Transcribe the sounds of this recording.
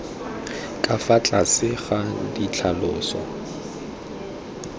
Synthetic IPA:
kʼafat͡ɬʼasɪɣadit͡ɬʰalʊːsa̰

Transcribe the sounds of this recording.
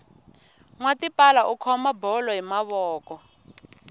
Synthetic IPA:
ŋwatipalaʔukʰɔmabɔlɔɦimaβɔːkɔ

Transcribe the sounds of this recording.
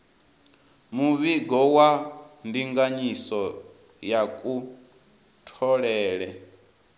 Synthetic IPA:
muβiɡɔwandiŋɡaɲisɔ | jakʼu | tʰɔɺɛːɺɛ

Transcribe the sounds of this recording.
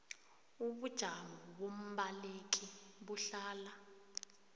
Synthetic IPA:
uɓud̥ʒ̥ʱaŋɔɓom̩ɓalek̬iɓuɬaːla

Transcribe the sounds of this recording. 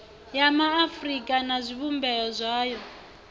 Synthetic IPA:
jamaːfrikʼanazʷiβumbɛjɔzʷaːjɔ

